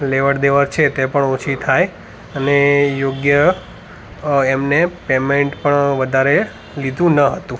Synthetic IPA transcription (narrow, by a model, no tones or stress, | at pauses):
leʋəɾd̪eʋəɾt͡ʃʰet̪epəɳot͡ʃʰit̪ʰaj | ənejoɡjə | emnepemeɳʈpəɳʋəd̪ʱaɾe | lid̪ũnəɦət̪ũ